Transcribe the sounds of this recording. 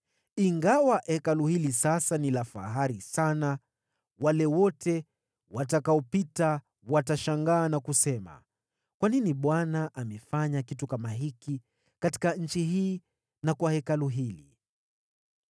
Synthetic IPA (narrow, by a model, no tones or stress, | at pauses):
iŋɡawaʔɛkaluhilisasanilafa̰ɦaɾisana | walɛwɔtʰɛ | watakaɔpita | wataʃaŋɡaːnakusɛma̰ | kwaniniɓwanaʔamɛfaɲakitukamaɦiki | kati̥kaɲ̩t͡ʃiɦiː | nakwahɛkaluɦili